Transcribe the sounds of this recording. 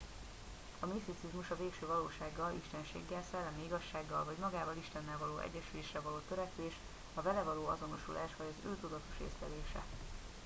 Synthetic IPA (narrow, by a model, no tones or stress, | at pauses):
ɒmisisizmuʃɒveːkʃøːvɒloːʃaːɡːɒlʔiʃt̪ɛnʃḛːɡːɛlsɛlːɛmiiɡɒʃːaːɡːɒlvɒɟmɒɡaːvɒliʃt̪ɛnːɛlvɒloːʔɛ̰ɟːɛʃyleːʃrɛvɒloːt̪øɾɛkʋeːʃ | ɒvɛlɛvɒloːɒ̰zo̞no̞ʃulʔaːʃʋɒɟɒzø̰ːt̪ud̪ɒt̪o̞̥ʃḛːslɛ̰d̪eːʃɛ̰